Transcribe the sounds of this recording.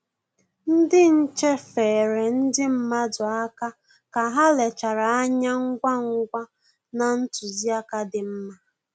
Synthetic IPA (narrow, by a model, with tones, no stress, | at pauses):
n̩˦dɪ˦n̩˦t͡ʃe˦feː˨ɾe˨n̩˦dɪ˦m̩˦ma˦dʊ˨a˦ka˦ | ka˨ɦa˦le˨t͡ʃa˨ɾa˨a˦ɲa˦ŋ̩˦ɡʷa˦ŋ̩˦ɡʷa˦ | na˨n̩˦tu˨zi˦a˦ka˦dɪ˨m̩˦ma˦